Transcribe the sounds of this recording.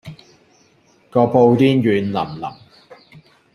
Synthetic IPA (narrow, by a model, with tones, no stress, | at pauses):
kɔː˧po˧wt̪iː˥njyː˨˧nlɐ̰˨˩mlɐ̰˨˩m